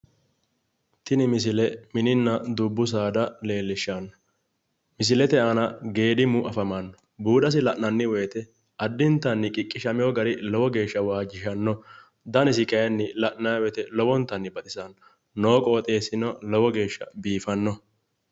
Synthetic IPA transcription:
t̪ɪnɪmɪs̬ɪlɛmɪnɪnːɐd̪ʊbːʊs̬aːd̪ɐle̞ːlːɪʃːɐn | mɪs̬ɪlɛt̪ɛʔɐnɐɡe̞ːd̪ɪmʊʔɐfɐmɐnːɔ | buːd̪ɐs̬ɪlɐʔnɐnːɪwɛːt̪ɛ | ɐd̪ːɪnt̪ːɐnːɪkʼɪkʼːɪʃɐmɪjɔɡɐɾɪlɔwɔɡe̞ːʃːɐwaːd͡ʒɪʃɐnːɔ | d̪ɐnɪs̬ɪkʼɐjɐnːɪlɐʔnawɛt̪ɛlɔwɔnt̪ːɐnːɪbɐt̪ʼɪsɐnː | oːkʼɔːt̪ʼeːsɪnɔlɔwɔɡe̞ːʃːɐ̰biːfɐnːɔ

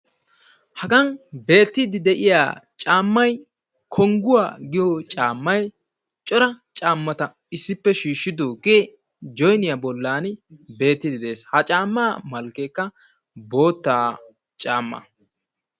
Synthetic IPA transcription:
hɐɡɐnbe̞ːt̪ːɪd̪ɪd̪ɛʔɪja̰ːt͡ʃʼaːmːɐj | kʰɔŋɡʊwa̰ːɡɪjɔt͡ʃʼaːmːɐj | t͡ʃʼɔɾɐt͡ʃʼaːmːɐt̪ɐ | ɪsːɪpːɛʃiːʃːɪd̪oːɡeː | d͡ʒɔjnɪjabɔlːaːnbe̞ːt̪ːɪd̪ɪd̪eːshɐt͡ʃʼaːmːaːmɐlkekːɐ | bo̞ːt̪ːaː | t͡ʃʼaːmːɐ̰

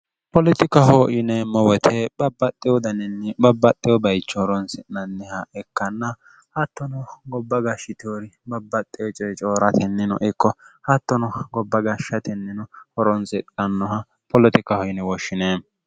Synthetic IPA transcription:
pɔlɪt̪ɪkɐɦɔːʔɪnɛmɔwɛt̪ʰɛbɐbːɐt̪ʼːɪwɔd̪ɐnɛnːɛbɐbːɐt̪ʼːɪjɔbɐjt͡ʃːɔhɔɾɔnsɪnɐnːɛhɐɛkːɐnːɐ | hɐt̪ːɔnɔɡɔbːɐɡɐʃːɪt̪oɾɪbɐbːɐt̪ʼːɪjɔt͡ʃʼɔjt͡ʃʼoːɾɐt̪ʰɛnːɪnɔ̰ʔɪkːɔhɐt̪ːɔnɔɡɔbːɐɡɐʃːɐt̪ɛnːɪnɔhɔɾɔnsɪnɐnːɔhɐ | pɔlɪt̪ɪkɐhɔʔɪnɛwɔʃːɪneː

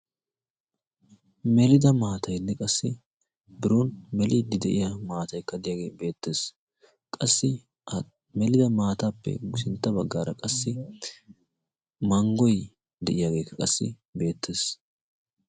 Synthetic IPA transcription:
mɛlɪd̪ɐmaːt̪ʰɐjlːɛkʼɐsːɪ | bɪɾunmɛlɪd̪ːɪd̪ɛʔɪjamaːt̪ɐjkːɐd̪ɪjaɡeːbe̞ːt̪ːe̞ːs | kʼɐsːɪ | mɛlɪd̪ɐmaːt̪aːpːɛ̰ɡʊsɪnt̪ːɐbɐɡːaːɾɐ̰kʼɐsːɪ | mɐŋɡɔj | d̪ɛʔɪjaɡe̞ːkːɐkʼɐsːɪ̰ | be̞ːt̪ʰːe̞ːs

